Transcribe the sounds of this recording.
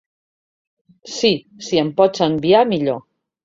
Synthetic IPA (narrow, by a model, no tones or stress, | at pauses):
si | siempɔt͡səmbiamiʎo